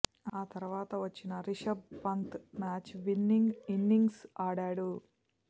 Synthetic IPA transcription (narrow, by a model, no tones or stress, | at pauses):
aːt̪ɐɾuʋaːt̪ɐʋɐt͡ʃːinɐɾiʂɐb̚pɐnt̪maːt͡ʃʋinːiŋɡinːiŋɡsaːɽaːɽu